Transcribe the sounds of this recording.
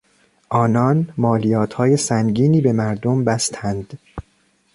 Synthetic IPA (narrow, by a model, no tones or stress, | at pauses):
ʔɒːnɒːnmɒːlijɒːt̪ʰhɒːje̞sæŋɟiːniːbe̞mæɾd̪ombæst̪ʰænd̪̥